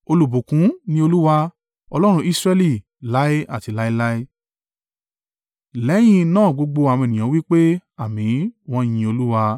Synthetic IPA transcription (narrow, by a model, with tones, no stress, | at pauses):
o˧lu˨bo˨kũ˨˦nĩ˧˦o˧lu˦wa˧ | ɔ˧lɔ˦ɾ̃ũ˧˦i˦sɾɛ˦li˦˨ | la˦i˦a̰˦˨ti˨˧˨la˦i˦la˦i˦ | lɛ˨˦j̃ĩ˧nãː˦˨ɡ͡bo˧ɡ͡bo˧a˨mɔ̃˧e˨ĩ˨ã˨˦wi˦k͡pe˦a˦˨mĩ˨˦w̃ɔ̃˦j̃ĩ˧o˧lu˦wa˧